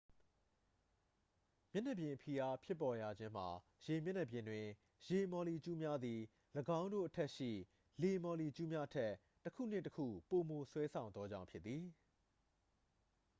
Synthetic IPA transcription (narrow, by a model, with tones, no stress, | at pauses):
mjɛ˦nɛ˨bjɪ̃˨pʰi˨ʔa˦pʰjɪ˦pːɔ˨ja˨d͡ʑɪ̃˦m̥a˨ | je˨mjɛ˦nɛ˨bjɪ̃˨ndwɪ̃˨ | je˨mɔ˨li˨t͡ɕu˦mja˦d̪ði˨ | ləɡã˦ʊ̃ndo̰˦˨ʔətʰɛ˦ʔʃḭ˦˨ | le˨mɔ˨li˨t͡ɕu˦mja˦ʔətʰɛ˦ | tːəkʰṵ˦˨n̥ɪ̃˦˨təkʰṵ˦˨po˨mo˨swɛ˦sʰã˨ʊ̃nd̪ɔ˦d͡ʑã˦ʊ̃pʰjɪ˦t̪ːi˨